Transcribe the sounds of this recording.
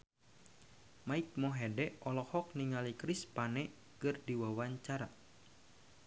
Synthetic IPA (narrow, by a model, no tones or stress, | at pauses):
maik̚mɔɦɛdɛʔɔlɔhɔk̚niŋalikɾispanɛ | kɨrdiwawaɲt͡ʃaɾa